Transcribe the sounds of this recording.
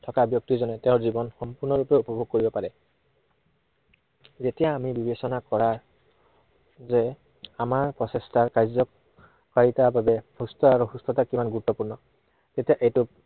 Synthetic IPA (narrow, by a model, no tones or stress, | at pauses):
tʰɔkabjɔk̚tizɔnɛtẽʊ̃ɹzibɔnxɔmpuɹnɔɹupɛupɔbʱoɡ̚koɹibɔpaɹɛ | zetijaːmibibesɔnakɔɹaɹ | zɛ | amaɹpɹɔsestaɹkajzɔ | kaɹitababɛhustɔaɹuhustɔtakimanɡutːɔpuɹnɔ | tetijaʔejtu